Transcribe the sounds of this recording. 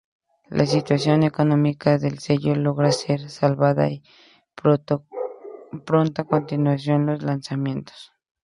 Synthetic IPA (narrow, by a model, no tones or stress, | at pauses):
lʔa̰sit̪wasjonekonomikaðelseʝoloɣɾaseɾsalβaða̰i | pɾont̪akont̪inwas̬jonloslansamjent̪o̥s